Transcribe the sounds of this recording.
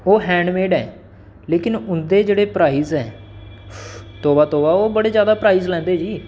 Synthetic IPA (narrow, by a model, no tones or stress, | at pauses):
oːɦɛ̃ːɳɖmeːɖɛː | leːkɪnʊnd̪eːd͡ʒeːɽeːpɾaːiːzɛ̰ː | t̪oːʋaːt̪oːʋaːoːbəɽeːzjaːd̪aːpɾaːiːzlɛ̃ːnd̪eːd͡ʒiː